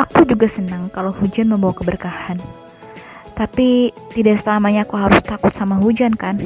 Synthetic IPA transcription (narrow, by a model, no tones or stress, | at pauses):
ʔakud͡ʒuɡasənaŋkalawhud͡ʒanməmbawakəbərkahan | t̪apit̪idaʔsəlamaɲaːkuɦaɾʊst̪akʊt̪̚samaɦud͡ʒankan